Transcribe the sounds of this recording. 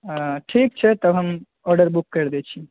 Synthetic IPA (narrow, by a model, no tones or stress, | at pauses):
ʈʰik̚t͡ʃʰɛt̪əbɦəm | ɔɾɖəɾbukːəɾd̪ɛt͡ʃʰi